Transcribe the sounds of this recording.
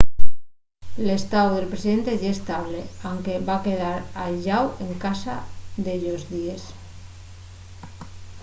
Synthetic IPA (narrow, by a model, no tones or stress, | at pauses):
le̞st̪awðe̞lpɾesiðe̞nt̪e̞ʝaest̪aβ̞leawŋke̞βake̞ð̞aɾaʎawe̞ŋkasaðeʎozðies